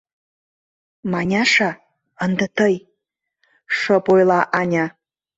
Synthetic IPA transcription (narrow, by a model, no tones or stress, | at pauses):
mɑnʲɑʂɑ | ənd̪ət̪ʰɤj | ʂəpojlˠɑʔɑnʲa